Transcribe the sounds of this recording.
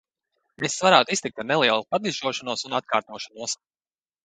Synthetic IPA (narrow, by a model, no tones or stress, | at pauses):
esvaɾaːt̪uist̪ik̚t̪anelˠiɛlˠupad̪iʒuɔʃanuɔsunat̪̚kaːɾt̪uɔʃanuɔs